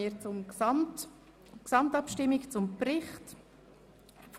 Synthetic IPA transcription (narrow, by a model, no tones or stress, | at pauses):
iɾt͡sʊmt | ksɑmtɑpʃtɪmɪkt͡sʊmprɪχt | f